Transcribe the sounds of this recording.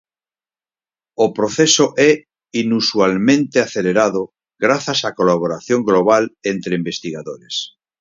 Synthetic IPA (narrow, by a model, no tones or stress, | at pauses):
opɾoθesoʔɛ | inuswalmẽnt̪eaθeleɾaðo | ɡɾaθasakolaβ̞oɾaθjoŋɡloβ̞alent̪ɾeimbest̪iɣaðoɾes